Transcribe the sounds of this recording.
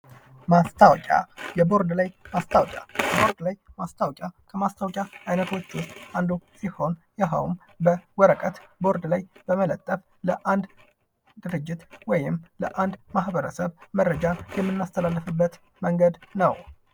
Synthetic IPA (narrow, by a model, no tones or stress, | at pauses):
mast̪ʰawkʲʼa̰jɛbo̞ɾd̪lajmast̪ʰawkʲʼja̰jɛbo̞ɾd̪lajmast̪ʰawkʼjakʰəmast̪ʰawkʼaajnət̪ʰwot͡ʃːwʊst̪ʼand̪usiho̞njɛɦə̰wm | bəwɔɾəkʼət̪bo̞ɾd̪lajbəmələt̪ʼːəf | ləʔand̪ | d̪ɨɾɨd͡ʒːɪt̪wɔjɪmləʔand̪mahbəɾəsəβməɾːəd͡ʒajɛmːɨnːast̪ʰəlalːəfɨbːət̪ | məŋɡəd̪nəw